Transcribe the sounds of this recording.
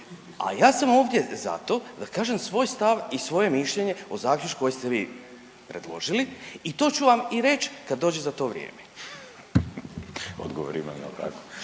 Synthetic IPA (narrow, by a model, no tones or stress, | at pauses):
a̰jaːsamo̞ːʋd̪jeza̰t̪o̞d̪akaːʒe̞msʋo̞ːjst̪aʋisʋo̞je̞miʃʎeɲe̞ozaːklʲut͡ʃko̞jest̪eʋḭː | pɾe̞d̪lˠo̞̰ʒiliit̪o̞ːt͡ɕuʋamiɾe̞t͡ʃkad̪ːoːd͡ʑezat̪o̞ːʋɾjḛːme | o̰d̪ɡoʋoɾima̰ma̰pɾa̰ːko̥